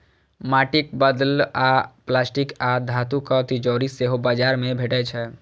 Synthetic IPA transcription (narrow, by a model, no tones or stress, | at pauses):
maʈik̚bəd̪laplasʈikad̪ʱat̪ukət̪id͡ʒɔɾiseɦobad͡ʒaɾmebʱeʈɛt͡ʃʰɛ